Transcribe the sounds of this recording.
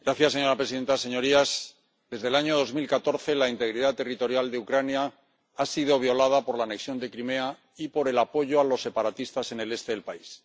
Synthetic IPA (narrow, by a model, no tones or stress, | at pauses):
ɡ̥ɾaθjasːe̞ɲoɾapɾe̞siðe̞nt̪ase̞ɲo̞ɾiaz | ðe̞zðe̞laɲo̞ð̞o̞zmilkat̪o̞ɾθe̞laint̪e̞ɣɾiðat̪e̞rit̪o̞ɾjald̪e̞ukɾanja | asið̞o̞β̞jo̞laðapo̞ɾlaːne̞ksjo̞nd̪e̞kɾime̞a | ipo̞ɾe̞lapo̞ʝo̞alo̞sːe̞paɾat̪ist̪ase̞ne̞le̞st̪e̞ðe̞lpais